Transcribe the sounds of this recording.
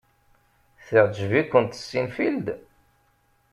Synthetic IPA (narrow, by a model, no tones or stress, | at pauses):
θiʁd͡ʒvikʷːənt̪ə̥sːinfild̪